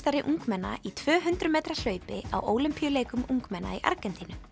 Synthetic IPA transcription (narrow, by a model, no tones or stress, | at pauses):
t̪aɾɪʔuŋkmɛnːa̰it̪ʰv̥œːɦʏnt̪ɾʏmeːjt̪ɾal̥œːɥpɪa̰wʔoːwlʏmpijʏleːjkʏmʔuŋkmɛnːa̰iʔa̰ɾcɛnt̪inʏ